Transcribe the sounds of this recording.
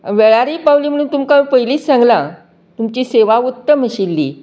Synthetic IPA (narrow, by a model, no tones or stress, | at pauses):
ʋeɭaɾiːpawliːm̤əɽ̃uːnt̪umkamipəɦiliːsãŋɡlã | t̪umt͡ɕiːseʋaut̪ːəməɕilːḭː